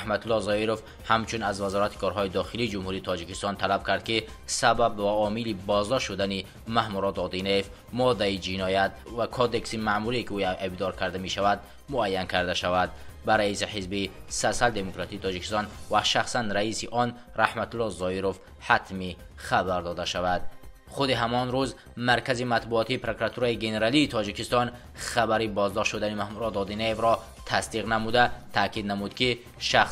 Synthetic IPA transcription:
hmat̪ulːɔzɔiɾof | hamt͡ʃʰunazvazɔɾat̪ʰi̥kʰɔɾɦɔid̪ɔχiliːd͡ʒumhuɾiːt̪ʰɔd͡ʒikist̪ɔnt̪ʰalab̚kʰaɾd̪̚ki | sababvaɔmilibɔzd̪ɔʃʃud̪ani | mahmuɾɔt̪ɔd̪ineef | mɔd̪aid͡ʒinɔjat̪vakʰɔd̪e̞ksimamuɾikiuebd̪ɔɾkʰaɾd̪ame̞ʃavad̪ | muajːankʰaɾd̪aʃavad̪̚baɾaisiħizbisasald̪e̞mokɾat̪iːt̪ʰɔd͡ʒiki̥st̪ɔnvaʃaχsanɾaisiʔɔn | ɾahmat̪ulːɔzɔiɾof | hat̪mi | χabaɾd̪ɔd̪aʃavad̪ | χud̪iɦamɔnɾuz | maɾkʰazimat̪buɔt̪ʰiːpʰɾokuɾat̪ʰuɾaiɡe̞ne̞ɾaliːt̪ʰɔd͡ʒikist̪ɔn | χabaɾibɔzd̪ɔʃt̪ʃud̪animahmuɾɔd̪ɔd̪inaevɾɔ | t̪ʰasd̪iʁnamud̪at̪ʰakid̪namud̪kʰi | ʃaχ

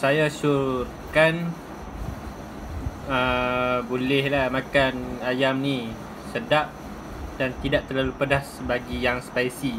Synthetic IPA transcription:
sajasuɾt̪ | kan | əbolɛhlahmakanajamni | sədaʔ̚ | d̥ant̪idaʔ̚t̪ərlalupədasbaɡijaŋspaisi

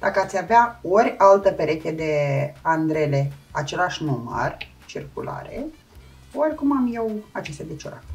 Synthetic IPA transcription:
d̪̥akəat̪sʲjaveao̞ɾʲalt̪əpeɾe̞kʲed̪e̞and̪ɾe̞le̞at͡ʃe̞laʃnumə̰r | t͡ʃirkula̰ɾḛ | orʲkumamjewat͡ʃest̪ead̪et͡ʃoɾa̰t̪

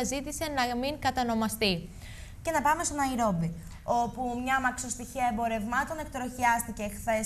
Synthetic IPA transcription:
ɐzit̪ise̞nɐmiŋkɐt̪ɐno̞mɐst̪i | ce̞nɐpɐme̞st̪onɐiɾo̞bi | o̞pumɲɐmɐkso̞st̪içiɐembo̞ɾe̞vmɐt̪o̞ne̞kt̪ɾo̞çiɐst̪ice̞xθe̞s

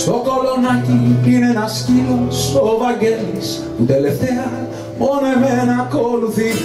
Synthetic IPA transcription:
st̪okolonacipinenɐscilost̪ovaɡels | ut̪eleft̪eɐ | monemenakoluθi

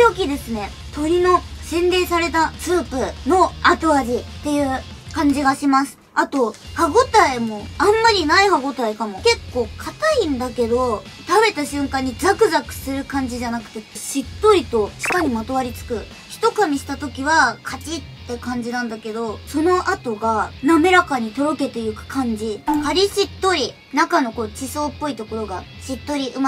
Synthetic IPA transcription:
ok̬ʲid̪e̞sɨne̞ | t̪o̞ɾʲino̞sẽ̞nɾe̞ːsaɾe̞t̪at͡sɨːpɯ̟no̞at̪oaʑit̪ːe̞jɯ̟ː | kãɲ̟d͡ʑiɡaɕimasɨ̥ | at̪o̞haɡo̞t̪aimo̞ãmːaɾʲinaihaɡo̞t̪aikamo̞ke̞kːo̞ːkʰat̪aĩnd̪ake̞d̪o̞ | t̪abe̞t̪aɕɨ̃ŋkãɲ̟ːid͡zakɯ̟zakɯ̟̥sɨɾɯ̟kãɲ̟d͡ʑiʑanakɯ̟̥t̪e̞ɕit̪ːo̞ɾʲit̪o̞ɕi̥kaɲʲimat̪o̞βaɾʲit͡sɨ̥kɯ̟ | çi̥t̪o̞kamʲiɕi̥t̪at̪o̞kʲiβakʰat͡ɕit̪ːe̞kãɲ̟d͡ʑinãnd̪ake̞d̪o̞so̞no̞ʔat̪o̞ɡaname̞ɾakaɲ̟it̪o̞ɾo̞ke̞t̪e̞jɯ̟kɯ̥kʰãɲ̟d͡ʑihaɾʲiɕit̪ːo̞ɾʲi | nakano̞ko̞ːt͡ɕiso̞ːpːo̞it̪o̞ko̞ɾo̞ɡa | ɕit̪ːo̞ɾʲiʔɯ̟ma

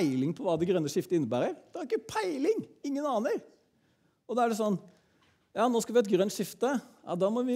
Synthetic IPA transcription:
ɪlɪŋpʰɔʋɑːd̪ɛɡɾœnːəʂɪft̪əɪnːəbæːɾəɾd̪ɛhɑɾɪkːəpʰæɪlɪŋɪŋːənɑːnəɾ | ɔd̪ɑæɖɛs̬ɔnː | jɑːnoːskɑʋɪɛt̪ɡɾœnt̪ʂɪft̪əjɑ̰ːd̪ɑːmɔʋɪ

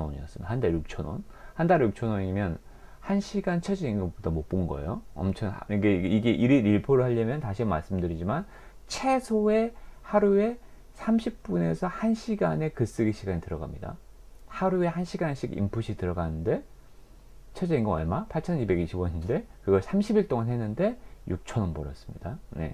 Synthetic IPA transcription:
nwʌ̰ɲiʌs͈ɯmidahandaɭjuk̚t͡ɕʰʌnwʌ̰nhandaɭːjuk̚t͡ɕʰʌnwʌɲimjʌn | hanɕʰiɡant͡ɕʰʌd͡ʑiiŋɡʌnbodamop͈unɡʌ̰ḛjoʌ̰mt͡ɕʰʌniɡeiɡe̞ʔiɾiɾiɭpʰoɾɯɭhaʎːʌmjʌntaɕʰiama̰ɭs͈ɯmdɯɾid͡ʑiman | t͡ɕʰe̞sʰoe̞haɾue̞ | sʰamɕʰip̚p͈une̞sʰʌhanɕʰiɡane̞kɯs͈ɯɡiɕʰiɡaɲitɯɾʌɡa̰mɲida̰ | haɾue̞hanɕʰiɡanɕʰiɡḭmpʰuɕʰitɯɾʌɡanɯnde̞ | t͡ɕʰʌd͡ʑiiŋɡɯŋʌ̰ɭmapʰaɭt͡ɕʰʌnibe̞ɡiɕʰibwʌɲinde̞kɯɡʌɭsʰamɕʰibiɭt͈oŋanɦe̞nːɯnde̞juk̚t͡ɕʰʌnʌnpʌɾʌs͈ɯ̥mɲida̰ne̞̰

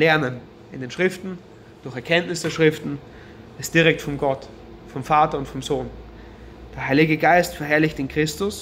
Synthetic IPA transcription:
lɛɐnən | ʔɪndeːnʃʁ̥ɪftn̩ | d̥ʊɐçɛɐkʰɛntnɪsd̥eːɐʃʁ̥ɪftn̩ | ɪstd̥iʁɛk̚tfɔmɡɔt | fɔmfaːtɐʊntfɔmzoːn | d̥eːɐhaɪlɪɡəɡaɪstfɛɐɦɛɐlɪçtɪnkʁ̥ɪstʊs

